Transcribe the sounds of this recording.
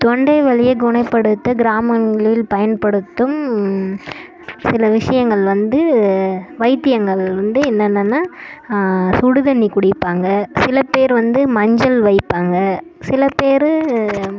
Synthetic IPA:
t̪ɔɳɖɐɪʋɐɭɪjɐɡʊɳɐɪpːɐɽɯt̪ːɐɡɪɾaːmɐnɡɐɭɪlpɐjɐnpɐɽɯt̪ːɯm | sɪlɐʋɪʂɐjɐŋɡɐɭʋɐnd̪ɯ | ʋɐɪt̪ːɪjɐŋɡɐɭʋɐnd̪ɯɛnːɐnːɐnːaː | sʊɽɯðɐnikʊɽɪpːaːŋɡɐsɪlɐpeːɾʋɐnd̪ɯmɐɲd͡ʒɐlʋɐɪpːaːŋɡɐsɪlɐpeːɾɯ

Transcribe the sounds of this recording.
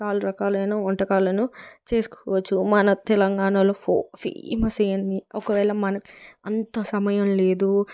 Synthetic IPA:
t͡ʃaːluɾɐkaːlɐjnoːɔɳʈɐkaːlɐnut͡ʃe̞ːsu̥kɔʋɐt͡ʃːumɐnɐt̪ɛlɐŋɡaːɳaːloːfofḭmɐsɐjɐnd̪iɔkɐʋɛːɭɐmɐnɐki̥ɐnt̪ɐsɐmɐjɐmle̞ːd̪u

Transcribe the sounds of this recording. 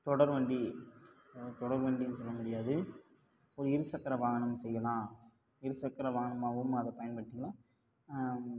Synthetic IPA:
t̪ɔɽɐɾʋɐɳɖi | t̪ɔɽɐɾʋɐɳɖinːɯsɔlːɐmʊɽɪjaːðɯ | ɔɾɯɪɾɯsɐkːɐɾɐʋaːɣɐnɐmsɛjːɐlãː | ɪɾɯsɐkːɐɾɐʋaːɣɐnɐmaːʋɯmɐðɐpɐjɐnpɐɽʈ̪ːɪkːɐlãː

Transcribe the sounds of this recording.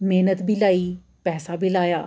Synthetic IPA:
meːnət̪bʱiːlaːiː | pɛːsaːbʱiːlaːjaː

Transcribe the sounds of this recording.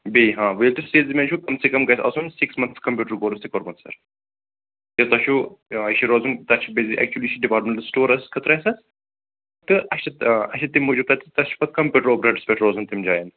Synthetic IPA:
beiɦãːʋɐlʈɨseːlzimʲeːnʃʰukɐmsikɐmɡɐjsɐ̰sunsiksmɐnt̪skɐmpʲjuːʈəɾɡoːɾɐst̪ʰikɐɾbɐnsɐ̰ɾ | jɐt̪ɐʃuɐʃiɾoːzunt̪ɐt͡ʃʰibeziʔɛ̰k̚t͡ʃuliʃiɖipaːɾʈmẽɳʈɐsʈoːɾɐskʰɐt̪ɾɐjsɐs | t̪ɨʔɐʃɐɐʃɐt̪ːimːud͡ʒub̚t̪ɐt̪ːit̪ɐsʃu̥pɐt̪̚kɐmpʲuːʈɐɾoːpɾɐʈɨspʲeʈɾoːzunt̪imd͡ʒaːjɐn

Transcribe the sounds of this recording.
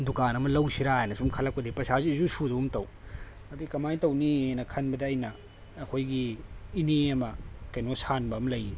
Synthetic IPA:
dukanɐmɐlɐwsiɾajnɐsumkʰɐlɐk̚pɐdipɐsazisusuduumtɐw | ɐdiikɐmajtɐwninɐkʰɐnbɐdɐːjnɐː | kʰojɡiːneɐmɐkɐjnosanbɐːmɐlɐji

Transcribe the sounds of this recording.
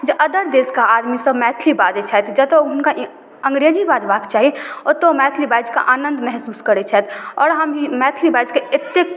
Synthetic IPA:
d͡ʒʔəd̪əɾd̪eːskaaːd̪misəbmɛːt̪ʰlibaːd͡ʒet͡ʃʰat̪ʰd͡ʒɐt̪oɦʊnkaʔ | ə̃ŋɡɾeːd͡ʒibaːd͡ʒbaːkt͡ʃaːɦiot̪omɛːt̪ʰlibaːd͡ʒka̰ʔaːnə̃nd̪mɛɦsuːskəɾet͡ʃʰɛt̪ʰɔːɾɦəmimɛːt̪ʰlibaːd͡ʒkeɪt̪ːek

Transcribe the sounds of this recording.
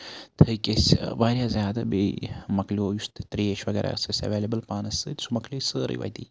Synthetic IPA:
t̪ʰəjkesʲʋaːɾʲjazʲjaːd̪ɐbemɐkloːjust̪t̪ɾiːeʃʋɐɡeːɾʔa̰sɨsʲɐ̰ʋeːlɐbəlpaːnɐsɨːt̪ʲsumɐklʲoːsɨːɾɨ̰jʋɐ̰jt̪ḭː

